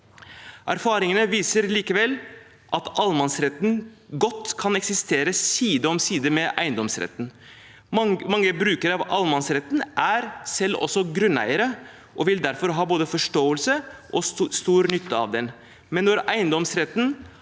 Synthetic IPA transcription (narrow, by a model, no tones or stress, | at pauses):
ʔæ̰ɾfɑːɾɪŋənəʋiːsəɾliːkəʋɛl | ʔɑt̪ɑlmɑnsɾɛt̪n̩ɡɔt̪ːkʰɑnɛksɪst̪ʰeːɾəsiːd̪əɔmsiːd̪əmɛʔæ̰ɪənd̪ɔmsɾɛ̰t̪ːn̩ | mɑŋːəbɾʉːkəɾɑʋʔɑlmɑnsɾɛt̪nʔæɾsɛlːɔ̰sːɔɡɾʉnæ̰ɪəɾə | ʔɔʋɪld̪æɾfɔɾɦɑːboːd̪əfɔʂʈoːəlsəʔɔst̪uːɾnʏt̪ʰːəɑ̰ʋd̪ɛn | mɛnːɔɾæɪənd̪ɔmsɾɛt̪ːn̩